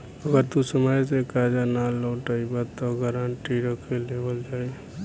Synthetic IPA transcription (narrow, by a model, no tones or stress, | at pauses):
əɡəɾt̪usəmajsekad͡ʒanalɔʈaibat̪ːɔɡəɾaɳʈiɾəkʰelebəld͡ʒaːe